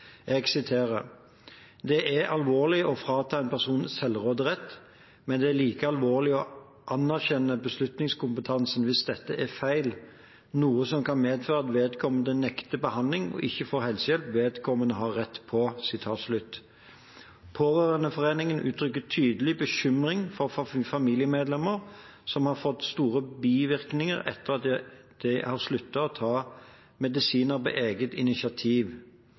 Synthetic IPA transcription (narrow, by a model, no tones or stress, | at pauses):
ɛɡsɪt̪ʰeːʁə̰ | d̪ɛʔæɾɑlʋoːʁlɪʔɔfʁɑːt̪ʰɑːɛnpʰæʁsuːnsɛlːʁoːd̪əʁɛt̪ː | mɛnd̪ɛæɾliːkəɑlʋoːʁlɪɔ | ʔɑnæʁçɛnːəbəslʉt̪nɪŋskʊmpət̪ʰɑnsənʋɪsd̪ɛt̪ːəʔæfæɪl | nuːəsɔmkʰɑnmeːd̪føːʁɑt̪ʋeːd̪kʰɔmənd̪ənɛkt̪əbəhɑnd̪lɪŋɔ̰ʔɪçːəfoːhɛlsəjɛlpʋeːd̪kʰɔmənəɦɑʁʁɛt̪ːpʰɔsɪt̪ʰɑːt̪slʉt̪ː | pʰoːʋøːʁənəfɔʁeːnɪŋənʔʉ̰ːt̪ʰʁʏkːət̪ʰyːd̪əlɪbəçʏmɾɪŋfɔʁfɑmiːlɪjəmeːd̪lɛmːəʁ | sɔmhɑʁfɔt̪ːst̪uːʁəbiːʋɪɾknɪŋəɾɛ̰t̪ːəʁɑt̪̚ | d̪̥ɛhɑʁslʉt̪ːɑɔt̪ʰɑː | mɛd̪ɪsiːnəɾbɛ̰ʔeːɡət̪ɪnɪsɑt̪ʰiːʋ